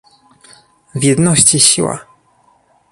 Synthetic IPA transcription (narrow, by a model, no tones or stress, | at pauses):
vʲjɛd̪nɔɕt͡ɕiɕḭwa̰